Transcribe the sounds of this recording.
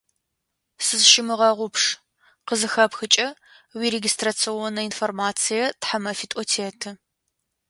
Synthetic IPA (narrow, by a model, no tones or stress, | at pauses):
sɨzʃɪmɨʁɐʁʷʊpʂ | qəzɨxɐpxɨt͡ʃʼɐ | wireɡʲistrat͡sʰionɐinformaːt͡sʰijɐtħamɐfitʼɔtʰeːtʰɨ